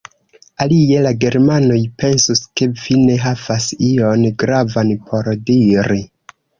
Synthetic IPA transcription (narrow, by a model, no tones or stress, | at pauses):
alie̞laɡe̞ɾmano̞jpe̞nsuske̞vine̞ɦavasio̞nɡɾavanpʰo̞ɾdiɾi